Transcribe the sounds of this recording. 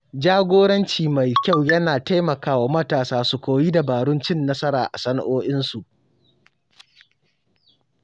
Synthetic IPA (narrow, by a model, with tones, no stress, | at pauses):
d͡ʒaː˦ɡʷoː˦ɽɐ˦nt͡ʃiː˨ma˨jkʲa˦˨wjɐ˦naː˨ta˦jmɐ˨kaː˦wa˨mɐ˦taː˨saː˦su˨kʷoː˨ji˦da˨baː˨ɽʊ˦nt͡ʃɪ˦˨nːɐ˦sɐ˦ɾaː˨ʔa̰˨sɐ˦na̰˦ʔoː˦ʔɪ˦nsu˨ʔ